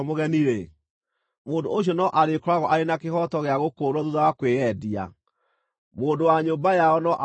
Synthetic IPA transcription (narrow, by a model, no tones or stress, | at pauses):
moɣɛniɾe | moːndooɕ̬iɔnɔʔaɾekɔɾaɣɔʔaɾenakehɔtɔɣeaɣokoːɾɔðuðawakweɛdia̰ | moːndowaɲombajaɔnɔʔ